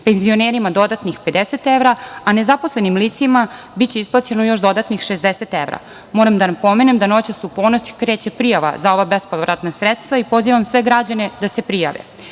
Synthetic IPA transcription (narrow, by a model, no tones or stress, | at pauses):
pe̞nzio̞neɾimad̪o̞d̪at̪nixpe̞d̪eset̪eʋɾaane̞zaposlenimlit̪sima | bit͡ɕeisplˠat͡ɕe̞nojo̞ʃd̪o̞d̪at̪nixʃezd̪eset̪eʋɾa̰ | mo̞ːɾamd̪anapo̞menemd̪ano̞t͡ɕasupo̞ːnot͡ɕkɾe̞ːt͡ɕe̞pɾijaʋa̰zao̞ʋabe̞spoʋɾat̪nasɾet̪st̪vʋaipo̞ziʋamsʋe̞ɡɾad͡ʑane̞d̪ase̞pɾija̰ʋḛ